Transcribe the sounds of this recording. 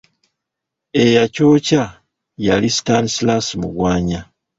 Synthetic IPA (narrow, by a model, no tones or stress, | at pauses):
e̞jaco̞ːca | jalistanslasimṵɡwaːɲa